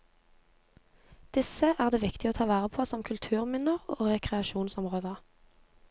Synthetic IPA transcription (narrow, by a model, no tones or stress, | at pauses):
d̪̥ɪsəʔæːʁd̪eːʋɪkt̪ɪoːt̪ʰɑːʋæːʁəpʰoːsɔmkʰʉlt̪ʰʉːʁmʏnəʁoːʁɛkʁɛɑʃuːnsɔmʁoːd̪ə